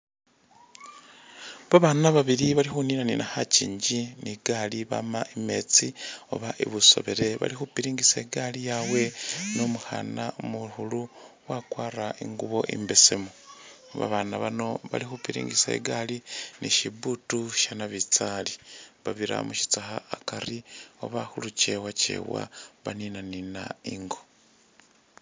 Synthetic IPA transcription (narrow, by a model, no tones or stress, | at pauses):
βaβaːnaβaβiɾiβalixuninaninahacḭːɲɟiniɡaːliβa̰maʔime̞t͡sio̰βaʔḭβuso̞̰βeɾe̞βa̰lixupiɾiːŋɡiseɡalijawe̞nomuxa̰namuhuluwakwaːraiŋɡuβo̞̰ʔḭmbesemo | βa̰βanaβano̞βa̰lixupiɾḭːŋɡisḛɡaliniʃiβutuʃanaβit͡saliβaβiɾa̰muʃi̥t͡saxaakaɾio̞̰βaxulut͡ʃewat͡ʃe̞̰wa̰βaninaninaiŋɡo